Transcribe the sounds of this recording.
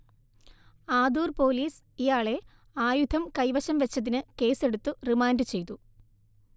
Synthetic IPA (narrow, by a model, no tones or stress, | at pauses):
aːd̪uːrpo̞ːliːs | ijaːɭe̞ | aːjud̪ʱʰɐmkɐjʋɐɕɐmʋet͡ɕːɐðinɨke̞ːse̞ɽut̪ːurimaːndɨt͡ɕe̞jt̪u